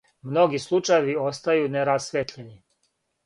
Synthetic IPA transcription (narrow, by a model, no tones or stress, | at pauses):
mno̞ɡislˠut͡ʃajeʋio̞st̪ajuneɾasʋet̪ʎeni